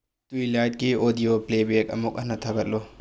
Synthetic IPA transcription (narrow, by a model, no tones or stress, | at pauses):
tuilajt̚kiodioplebek̚ɐ̰muk̚ɐnɐtʰɐbɐt̚lo